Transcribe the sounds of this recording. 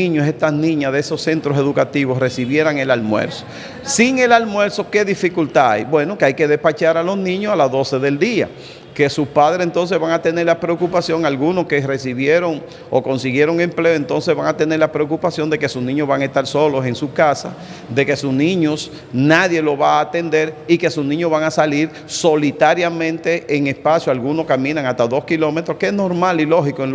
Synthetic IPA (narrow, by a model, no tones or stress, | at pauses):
iɲose̞ht̪asnĩɲaðeeso̞sse̞nt̪ɾose̞ðukat̪iβo̞sre̞siβje̞ɾaŋe̞lalmwḛɾso̥ | siŋe̞lalmwe̞ɾso̞ke̞ðifikult̪aa̰jbwe̞no̞keajke̞ðehpat͡ʃaɾalo̞snĩɲosalazðo̞se̞ðe̞ld̪ia̰ | ke̞suspaðɾesent̪o̞ns̬e̞zβaŋat̪e̞ne̞ɾlapɾeokupasjo̞ŋalɣunoske̞re̞siβjeɾo̞ŋ | oko̞nsiɣje̞ɾo̞ŋe̞mple̞oe̞nt̪o̞ns̬e̞zβaŋat̪e̞ne̞ɾlapɾeokupasjo̞nd̪e̞ke̞susnĩɲo̞βaŋae̞st̪aɾso̞lo̞se̞ŋsukasa̰ | ðe̞ke̞susnĩɲo̞s | naðje̞lo̞βaːt̪e̞nd̪e̞ɾike̞susnĩɲoβaŋasaliɾ | so̞lit̪aɾjamẽ̞nt̪e̞ʔːŋespasjoalɣuno̞skamĩnaŋast̪aðo̞skilo̞met̪ɾohkeesno̞ɾmalilo̞hikoe